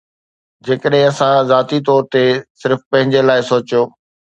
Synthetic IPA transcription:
d͡ʑeːkəɗɦɪ̃ɐsãzaːt̪it̪ɔːɾt̪esɪɾfpɐ̃ɦɪ̃ɲd͡ʑelaːɪsoːt͡ɕijoː

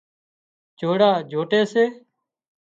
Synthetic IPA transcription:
d͡ʒʱoːɽaːd͡ʒʱoːʈeːseː

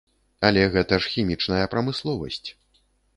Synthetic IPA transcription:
ɐlʲɛɣɛt̪ɐʂxʲimʲit͡ʂnɐjɐpɾɐmɨslˠɔvɐ̰sʲt͡sʲ

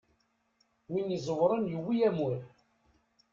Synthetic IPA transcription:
winizˤəwɾˤənjəwːijæmʊɾ

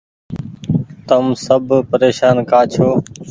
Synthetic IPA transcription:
t̪əmsəbʱpəɾeːʃaːnkaːt͡ʃʰoː

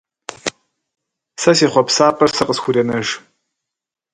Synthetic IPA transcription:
sɐsiːχʷɔpsaːpʼɐrsɨqʼəsxʷʊɾɐnɐʒ

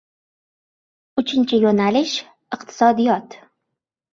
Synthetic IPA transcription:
ʊt͡ʃʰɪnt͡ʃʰɪjonalɪʃ | ɨqt̪ʰɪ̥sɒd̪ijɒt̪

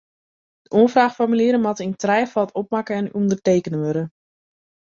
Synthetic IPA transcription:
dəoəfraːxfɔrmylɪːɾəmatəintrɛjfɔlˠtʰɔp̚makəɛnundərteːkənəʋøɾə

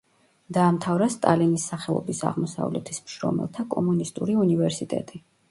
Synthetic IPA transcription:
d̪aːmt̪ʰavɾast̪ʼalinisːaχɛlˠɔ̰bisa̰ʁmɔsa̰vlɛ̰t̪ʰismʃɾɔ̰mɛ̰lˠt̪ʰakʼɔmunist̪ʼuɾiunivɛɾsit̪ʼɛ̰t̪ʼi

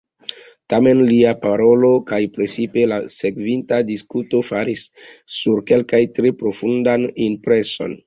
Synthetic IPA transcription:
tame̞nliapaɾo̞lo̞kajpɾet͡sipe̞lase̞kvintadiskuto̞faɾisːuɾke̞lkajtɾepɾo̞fundanimpɾe̞so̞̰n

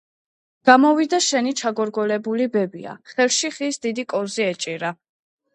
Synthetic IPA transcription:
ɡ̥amɔvid̪aʃɛnit͡ʃʰaɡɔɾɡɔlɛbulibɛbia̰χɛlˠʃiχisd̪id̪ikʼɔziɛt͡ʃʼiɾa

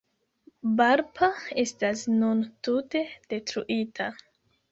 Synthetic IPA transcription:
baɾpʰae̞stasnuntute̞d̥e̞tɾuʔitʰa

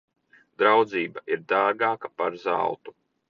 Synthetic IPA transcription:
d̪ɾawd̪ziːbaʔiɾd̪aːɡaːkapaɾza̰lˠt̪u

